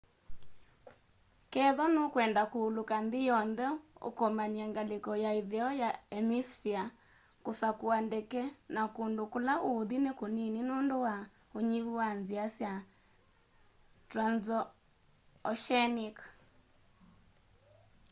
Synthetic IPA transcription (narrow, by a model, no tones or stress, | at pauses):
kɛðɔnokwɛndakoːlokanðijɔnðɛo̰kɔmaniɛŋɡalekɔjaiðeɔjaɛmisfia | kosakoandɛkɛnakondokolaʔoðinekonininondowa | oɲiβuwanziasja | tɾanzɔ | ɔʃɛnik